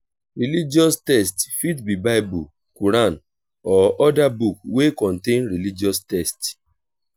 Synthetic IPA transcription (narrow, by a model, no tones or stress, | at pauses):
ɾilid͡ʒɔstɛstfitbibaɪbu | kuɾãn | ɔɔdabuk̚wekɔ̃ntẽnɾilid͡ʒɔstɛst